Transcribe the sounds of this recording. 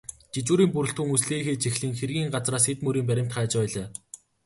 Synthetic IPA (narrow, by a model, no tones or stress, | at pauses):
t͡ɕit͡ɕuːɾiːmpuɾɘ̆ɬt̪xŭŋusɮeːxeːt͡ɕixɮɘ̆ŋxerɣʲiːŋɢat͡sraːsxet̪mɵɾiːmpæɾʲɪ̆m̥t̪χaːt͡ɕpæːɮaː